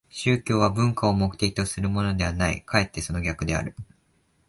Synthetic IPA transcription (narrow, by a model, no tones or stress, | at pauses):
ɕɨːkʲo̞ːβabɯ̟̃ŋkao̞mo̞kɯ̟t̪e̞kʲi̥t̪o̞sɨɾɯ̟mo̞no̞d̪e̞βanaḭkae̞t̪ːe̞so̞no̞ɡʲakɯ̟d̪e̞a̰ɾɯ̟